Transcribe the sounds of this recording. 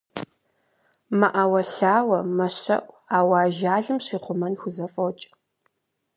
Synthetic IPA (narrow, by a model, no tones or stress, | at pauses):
maʔawɐɬaːwɐmɐɕɐ̰ʔʷ | aːwaːʒaːɮɨmɕiːχʷʊmɐnxʷʊzɐfʼɐwt͡ʃʼ